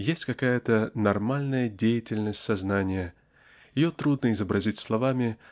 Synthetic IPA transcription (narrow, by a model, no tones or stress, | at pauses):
jesʲtʲkɐkajət̪ənɐrmalʲnəjədʲejɪtʲɪlʲnəsʲtʲsɐznanʲɪjə | jɪjot̪ɾud̪nəɪzəbɾɐzʲitʲslˠɐvamʲɪ